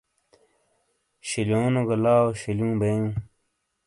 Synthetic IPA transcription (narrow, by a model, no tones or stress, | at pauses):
ɕiljoːnoɡɐlaːoɕiljũːbeũ